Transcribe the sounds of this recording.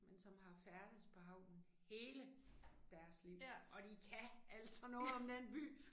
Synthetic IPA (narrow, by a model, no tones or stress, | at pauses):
mensɒ̽mɦɑ̈fæɐd̥ið̩ˠpʰɒ̽ɦɑ̈ʊ̰̥n̩ | he̝ːləd̥æɐsliʊʔɒ̽d̥ikʰææl̰sɒ̽nɔ̽ːð̩ˠɒ̽md̥enb̥y̰ː